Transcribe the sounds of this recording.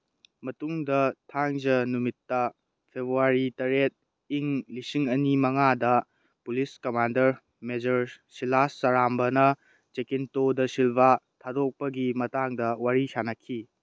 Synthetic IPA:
mɐtuŋdɐtʰaŋzɐnumitːɐ | pʰebɾuaɾitɐɾet̚ | iŋlisiŋɐnimɐŋadɐ | puliskɐmandɐɾ | med͡ʒɐɾsilasːɐɾambɐnɐ | t͡ʃekintodɐsilbʱatʰadok̚pɐɡimɐtaŋdɐwaɾisanɐkʰːi

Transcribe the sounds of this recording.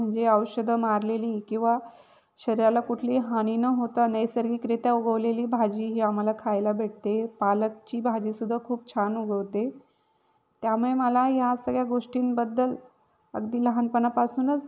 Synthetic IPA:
m̤əɳd͡zeəwɕəd̪ʱəmaɾleliːkĩw̃ʋa | ɕəɾiɾalakuʈʰliːɦaɽ̃iːnəɦot̪anəjsəɾɡiːkɾit̪jauɡəʋleliːbʱad͡ʑiːɦiːam̤alakʰajlabʱeɽ̚t̪epalək̚t͡ɕiːbʱad͡ʑiːsud̪ʱːakʰuːp̚t͡ɕʰanuɡəʋt̪e | t̪jamuɭeməlajasəɡɭjaɡoʂʈiːnbəd̪ːəl | ə̰ɡd̪iːləɦanpənapasuːnət͡s

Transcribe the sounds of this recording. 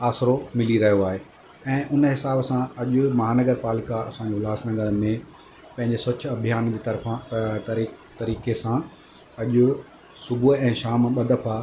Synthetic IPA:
aːsɾomɪliɾɐɦijoaːɦeː | ɛ̃ːʔʊnɦɪsaːbsãɐʄʊmɐɦaːnɐɡəɾpaːlɪkaɐ̰sãɲd͡ʑelaːsnɐɡəɾəmẽ | pɐ̃ɦɪ̃ɲd͡ʑesɐtʰʊɐbʱijaːnd͡ʑiːt̪ɐɾfãt̪ɐ | t̪ɐɾiːkesã | ɐʄʊ | sʊbʱuɛ̃ːʃaːmɓɐd̪əfa

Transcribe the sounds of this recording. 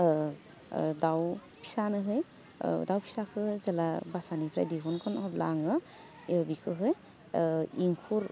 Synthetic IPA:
daw | pʰi̥sanɯɦɯj̰ | dawpʰi̥sakʰɯhɯzalabasanipʰɾa̰jdiɦɔnkʰɔnɔɦɔb̚la̰ŋɯ | ebikʰɯɦɯj | iŋkʰuɾ

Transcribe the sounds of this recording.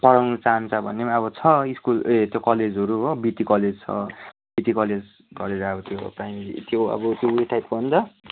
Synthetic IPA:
pʌɾawnut͡saːnt͡sʰʌbʱʌnːemaʌbʌt͡sʰʌiskulet̪jokʌled͡zɦʌɾuɦobiʈikʌled͡zt͡sʰʌ̰ | b̥iʈikʌled͡z | ɡʌɾeɾabʌt̪joprajmeɾḭt̪joʌ̰bʌt̪jouiʈʰajpkoʌnt̪ʌ

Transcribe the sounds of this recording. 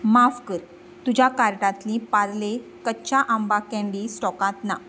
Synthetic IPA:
mafkəɾ | t̪ud͡ʑakaɾʈãt̪lĩpaɾle | kət͡ɕaʔambakɛ̃ɳɖisʈɔkãt̪na

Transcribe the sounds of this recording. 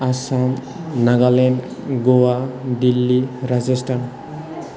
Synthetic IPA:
asam | naɡalenɡowad̪ilːiɾad͡ʒesʈʰan

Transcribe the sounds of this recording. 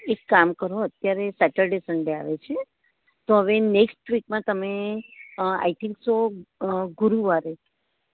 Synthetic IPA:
ekːamkəɾoət̪jaɾesɛʈəlɖesəɳɖea̰ʋet͡ʃʰe | t̪oɦəʋeneksʈʋikmãt̪əme | a̰jt̪ʰɪ̃ŋkso | ɡuɾuʋaɾe

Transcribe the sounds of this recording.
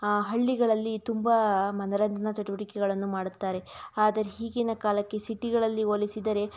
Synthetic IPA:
ɦɐɭːiɡɐɭɐlːit̪umbɐmɐnɐɾɐnd̪ɐnɐt̪ɐʈuʋɐɽikɛɡɐɭɐnːumaːɽut̪ːaːɾe̞aːd̪ɐɾeɦiːɡinɐkaːlɐkːe̞siʈiɡɐɭɐlːioːlisid̪ɐɾe̞

